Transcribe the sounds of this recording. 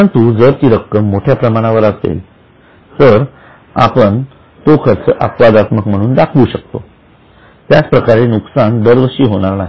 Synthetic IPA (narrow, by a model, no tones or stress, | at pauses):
əəɳt̪uːd͡zəɾt̪iɾəkːəmːoʈʰjapɾəmaɽ̃aʋəɾasɡḛi | t̪əɾ | a̰pəɳ | t̪okʰəɾt͡səʔəkʋad̪at̪məkm̤əɽ̃uːnd̪akʰʋuɕək̚t̪o | t̪jat͡spɾəkaɾenuksand̪əɾʋəɾɕiːɦoɽ̃aɾnaɦi